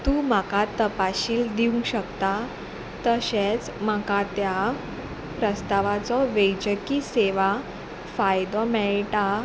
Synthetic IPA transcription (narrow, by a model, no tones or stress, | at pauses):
t̪uːmakat̪ːəpaɕiːld̪iũŋɕəkt̪a | t̪əɕet͡smakat̪ja | pɾəst̪aʋat͡sɔʋejd͡ʑəkiseʋa | fajd̪ɔmɛɭʈa